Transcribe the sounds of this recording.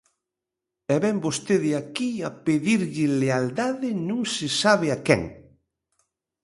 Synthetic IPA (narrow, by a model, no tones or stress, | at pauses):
ɛβɛmbost̪eðɪakiapeðiɾʎɪleald̪aðɪnũŋsɪsaβɪakɛ̰ŋ